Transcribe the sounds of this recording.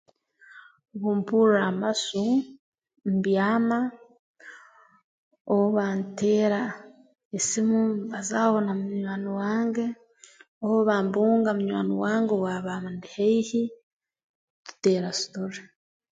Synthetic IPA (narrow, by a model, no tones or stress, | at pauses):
βuːmpuɾamasu | mbjaːma | oβoβaːnteːɾa | esimuβazaːβo̞namuɲwaːniwaːŋɡe̞ | oβoβaːmbuːŋɡamuɲwa̰ːniwaːŋɡewaβaːmandiheihi | tu̥teːɾasu̥toɾe